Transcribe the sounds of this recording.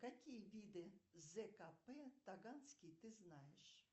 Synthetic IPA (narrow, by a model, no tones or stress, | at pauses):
kakʲijəvʲid̪ɨzɛkapɛt̪aɡansʲkʲijt̪ɨznajɪʂ